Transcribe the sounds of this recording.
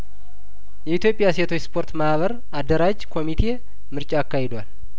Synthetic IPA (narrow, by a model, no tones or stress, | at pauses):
jɛit̪ʰjo̞pʼjaset̪ʰo̞t͡ʃspʰo̞ɾt̪mahβəɾ | ad̪ːəɾad͡ʒkʰo̞mit̪ʰe̞ | mɨɾt͡ʃʼaːkːahed̪wal